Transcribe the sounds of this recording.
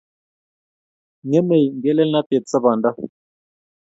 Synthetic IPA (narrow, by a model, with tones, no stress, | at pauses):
ŋɛ˦me˨jŋɡɛ˦lɛ˦lna˦t̪ɛ˨tt͡sa˦ba˨nda˦